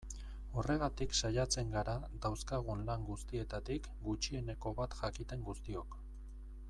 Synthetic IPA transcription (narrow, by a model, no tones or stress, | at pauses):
o̞re̞ɣ̞at̪iksajat͡se̞ŋɡaɾad̪awskaɣ̞unlaŋɡust̪ie̞t̪at̪ik | ɡut͡ʃie̞ne̞ko̞βat̪ʝakit̪e̞ŋɡust̪io̞k